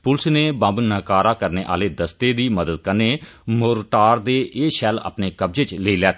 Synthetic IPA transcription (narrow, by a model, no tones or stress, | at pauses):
pʊlsneːbə̃mbnəkaːɾaːkəɾneːʔa̰ːleːd̪əst̪eːd̪iːməd̪əd̪̚kəneːmʊːɾʈaːɾd̪eːʔeːʃɛːla̰ːpneːkəb̚d͡ʒeːt͡ʃleiːlɛːt̪ː